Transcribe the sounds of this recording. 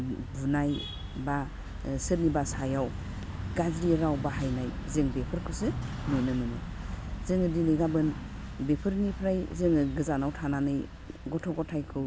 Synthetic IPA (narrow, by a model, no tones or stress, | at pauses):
bunaj | ba | sɯɾnibasajaw | ɡazɾiɾawbaɦajnajzeŋbepʰɯɾkʰɯsɯ | nɯjnɯnɯnɯzeŋɯdilejɡabɯn | bepʰɯɾnipʰɾajzeŋɯɡɯzanawtʰananɯj | ɡɔtʰɔɡɔtʰajkʰɯ